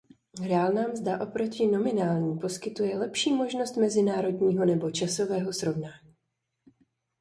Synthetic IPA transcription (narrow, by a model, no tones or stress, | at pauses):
ɾaːlnaːmzd̪aʔo̞pɾo̞cɪno̞mɪnaːlɲiːpo̞skɪt̪ujɛlɛpʃiːmo̞ʒno̞st̪mɛzɪnaːɾo̞dɲiːɦo̞nɛbo̞t͡ʃaso̞vɛːɦo̞sɾo̞vnaːɲiː